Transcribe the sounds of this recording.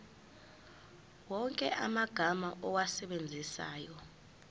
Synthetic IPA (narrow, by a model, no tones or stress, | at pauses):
wɔŋkʼɛ̰ʔamaɡ̥ʱamaʔɔwasɛɓend͡zʱisa̰ːjɔ